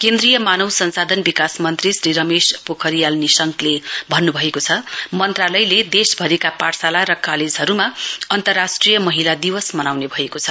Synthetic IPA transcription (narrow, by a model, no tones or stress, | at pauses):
kẽnd̪rijʌmanʌwsʌnsad̪ʱʌnbikasmʌnt̪risriɾʌmespokʰʌɾijalnisʌŋklebʱʌnːubʱʌekot͡sʰʌmʌnt̪ralʌjled̪esbʱʌɾikaparsalaɾʌkaled͡zɦʌɾumaʌnt̪ʌrːasʈrijʌmʌɦilad̪iwʌsmʌnawnebʱʌekot͡sʰʌ